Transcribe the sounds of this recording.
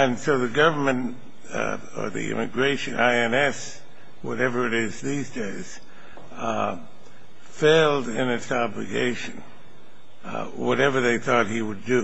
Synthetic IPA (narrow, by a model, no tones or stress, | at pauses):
ɨ̃nsoʊðɨɡʌvə˞mɨ̃nt | ə̰˞ðḭʔɪ̰̃mɨ̰ɡɹeɪʃɨ̃nʔaɪɛ̃nɛs | wʌ̰ɾɛvə˞ɨɾɪzðizdeɪz̥ | feɪlˠdɪ̃nɨtsɑblɨ̰ɡḛɪʃɨ̃n | wʌɾɛvə˞ðeɪθɔt̚hiwɨdɨ